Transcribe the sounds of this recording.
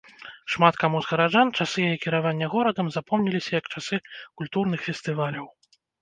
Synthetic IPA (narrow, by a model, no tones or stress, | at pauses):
ʂmat̪kamuzɣɐɾaʐant͡ʂasɨjajɛkʲiɾavanʲːɐɣɔɾɐd̪ɐmzapɔmnʲilʲisʲɐjɐkt͡ʂasɨkulʲt̪urn̪ɨxfʲɛsʲt̪ɨvalʲɐw